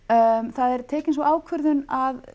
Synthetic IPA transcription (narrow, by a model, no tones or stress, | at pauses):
θaðɛɾ̥t̪ʰɛːcɪns̬ɔaːwkʰvʏɾðʏnað